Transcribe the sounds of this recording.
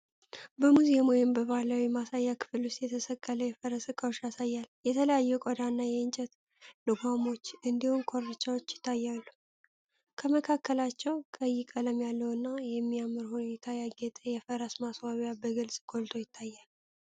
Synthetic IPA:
bəmuziemwɔjɪmbəβaləwimasajːakʰɨ̥fɨlust̪jɛt̪ʰəsəkːələjɛfəɾəsɨkʰʼːəoʃjasajːaljɛt̪ʰələjajːukʼɔd̪anːajɛɨnt͡ʃʼɛt̪ | lɨɡʷamo̞t͡ʃːʔɨnd̪ihumkʰo̞ɾɨt͡ʃːawot͡ʃːjɪ̥t̪ʰːajːalːu | kʰəməkʰakʰːəlat͡ʃːɛwkʼəjɪkʼələmjalːəwɨnːajɛmːijamːɨɾhune̞t̪ʰajaɡɛt̪ʼəjɛfəɾəsmaswaβjabəɡɨlsʼkʰʼolt̪ʰo̞jɪt̪ʰːajːal

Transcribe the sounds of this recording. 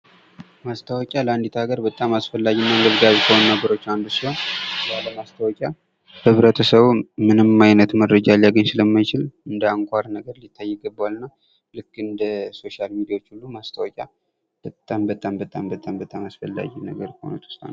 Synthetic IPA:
mast̪ʰəwɔkʲʼaləand̪it̪ʰaɡəɾbət̪ʼːamasfəlːaɡinːaɨnd̪əβɡazkʰəhonnəɡəɾo̞t͡ʃːand̪usiho̞nbaləmast̪ʰəwɔkʲʼja | hɨβɾət̪ʰəsəβmɨnɨmːajnət̪məɾːəd͡ʒaljaɡəɲsɨləmːajt͡ʃɪlɨnd̪əaŋkʷʰʼaɾnəɡəɾlit̪ʰːajːɪɡəbːawalnːa | lɨkːɨnd̪əso̞ʃalmid̪ijawot͡ʃːulːumast̪ʰəwɔkʼa | b̥ət̪ʼːambət̪ʼambət̪ʼambət̪ʼambət̪ʼamasfəlːa̰ɡinəɡəɾkʰəho̰nət̪ʰu̥st̪ʼa̰nː

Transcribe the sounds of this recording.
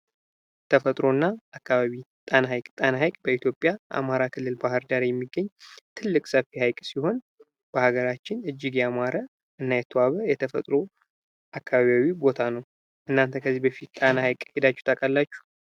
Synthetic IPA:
t̪ʰəfət̪ʼɾo̞nːaakːaβaβi | t̪ʼanajkʼt̪ʼanaɦajkʼbəit̪jo̞pʼːjaʔa̰maɾakʰɨlːɨlbahɨɾd̪aɾjɛmːiɡːəɲːt̪ʰɨlːɨkʼsəfihajkʼsiho̞n | b̥əhaɡəɾat͡ʃːɪnɨd͡ʒːɪɡjamaɾə | ʔɨnːajɛt̪ʰwaβəjɛt̪ʰəfə̰t̪ʼɾo̞ | ʔakʰːaβaβiawibo̞t̪ʰanəw | ʔɨnːant̪ʰəkʰəzːibəfit̪t̪ʼanahajkʼhed̪at͡ʃːu̥t̪ʰakʼalːat͡ʃːu̥

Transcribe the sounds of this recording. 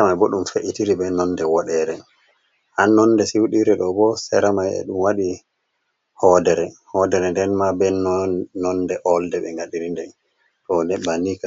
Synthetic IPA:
amajbɔɗumfeʔitiɾibɛnɔndɛwaɗɛɾɛ | hanːɔnːdɛsiwuɗiɾɛɗɔbɔsɛɾamajɛ̰ɗumwaɗi | hɔdɛɾɛhɔdɛɾɛndɛnmabɛnnɔndɛʔɔldɛbɛŋɡaɗiɾindɛ | tɔnɛbanika

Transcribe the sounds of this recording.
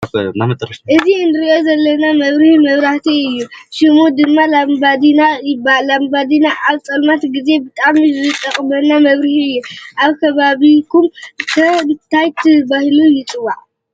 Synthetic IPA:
namɐt̪ʼɾʔɨzinɨɾiʔo̞zɐlːɐnamɐβɾihmɐβɾaht̪ʰiɨjːuʃimod̪ɨmːalambad̪inabalambad̪inaʔaβt͡sʼɐlmat̪ɡize̞bɨt̪ʼamzɨt̪ʼɐχʼmɐnamɐβɾihiɨjːuʔaβkʰɐβaβikʰumt̪ʰɐmɨt̪ʰːajt̪ʰɨbahilujɪt͡sʼɨwːaʕ

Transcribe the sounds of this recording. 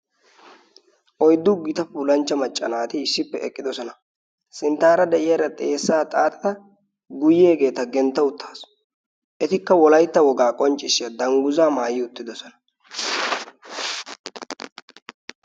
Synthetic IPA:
ʔɔjd̪ːʊɡɪt̪ɐfuːlɐnt͡ʃːɐmɐt͡ʃʼːɐ̰naːt̪ɪɪsːɪpːɛɛkʼːɪd̪ɔsɔnɐ | sɪnt̪aːɾɐd̪ɛʔɪjɐɾɐt̪ʼe̞ːsːaːt̪ʼaːt̪ʼɐ̥t̪ɐ | ɡʊjeːɡe̞ːt̪ɐɡɛnt̪ːɐʊt̪ːḁːs | ʔɛt̪ɪkːɐwɔlɐjt̪ːɐwɔɡaːkʼɔnt͡ʃʼːɪʃːɪjɐd̪ɐŋɡʊzaːmaːjɪʊt̪ːɪd̪ɔsɔnɐ̥

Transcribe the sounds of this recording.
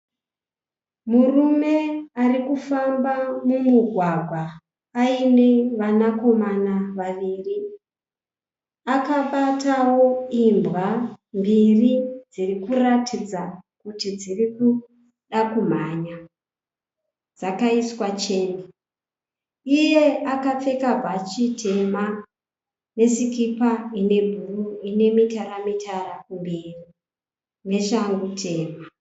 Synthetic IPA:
murume̞arikufambamumuɡʱwaɡʱwaː | ine̞ʋanako̞manaʋaʋiːri | akaɓatawo̞imbambirid͡zirikuratʰid͡zakutid͡ziriku | ɗakum̤aːɲa | d͡zakaiswat͡ʃe̞ːne | ije̞akap͡fe̞kavʱat͡ʃitʰe̞ma | ne̞sikipaine̞bʱuruine̞mitaɾamitʰarakumbiːri | ne̞ʃaŋɡutʰe̞ːma

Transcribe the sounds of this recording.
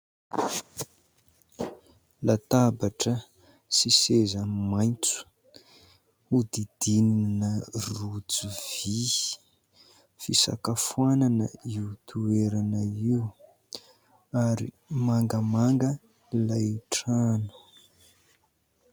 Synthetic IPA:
lat̪abaʈ͡ʂə | sisezamajnt͡su̥ | ud̪id̪ininərud͡zivi | fisa̰kafuananə̰iut̪ʰueɾanəiu | aɾḭ | maŋɡəmaŋɡə | lajʈ͡ʂanu̥

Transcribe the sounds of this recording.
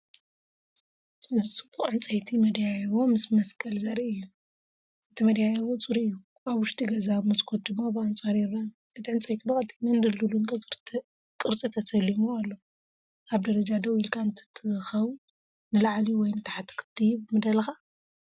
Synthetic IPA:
ɨzɨt͡sʼɨbuχʼʕɨnt͡sʼɐjt̪ʰimɐd̪jajɐwo̞mɨsmɐskʰʼɐlzɐɾiɨjːu | ɨt̪ʰimɐd̪jajɐwot͡sʼuɾiɨjːu | aβwʊʃt̪ʼiɡɐzaβmɐskʰot̪̚d̪ɨmːabɨant͡sʼaɾiɾa | ʔɨt̪ʰiʕɨnt͡sʼɐjt̪ʰibɐkʼɐt̪ʰʼinɐnd̪ɐlːulunkʼsʼɾʰ | kʼɨɾt͡sʼit̪ʰɐsɐlːimualːo | ʔaβd̪ɐɾɐd͡ʒad̪ɐwilkʰaɨnt̪ʰi̥t̪ʰɨxɐw | nɨlaʕliwɔjnɨt̪ʰaħat̪ʰɨ̥kʰɨ̥t̪ːijbɨmɨd̪ɐlxa

